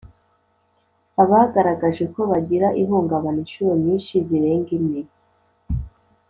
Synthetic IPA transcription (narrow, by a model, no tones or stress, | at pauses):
aβahɡaɾaɡaʒe̞ko̞βaɟiɾaʔiɦuːŋɡaβaniʃuɾomɲiːnʃiziɾe̞ːŋɡimni